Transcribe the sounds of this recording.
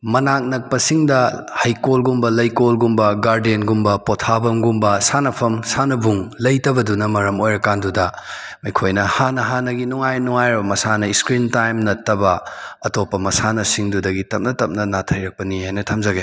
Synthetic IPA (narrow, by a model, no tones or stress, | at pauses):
mɐnak̚nɐk̚pɐsiŋdɐhɐjkolɡumbɐlɐjkolɡumbɐɡaɾdienɡumbɐpotʰabɐmɡumbɐsanɐpʰɐmsanɐbuŋlɐjtɐbɐdunɐmɐɾɐmojɾɐkandudɐmɐjkʰojnɐhanɐɦanɐɡinuŋajnuŋajɾɐbɐmɐsanɐiskɾintajmnɐtɐbɐɐtopːɐmɐsanɐsiŋdudɐɡitɐp̚nɐtɐp̚nɐnatʰɐjɾɐk̚pɐnihajnɐtʰɐmzɐɡe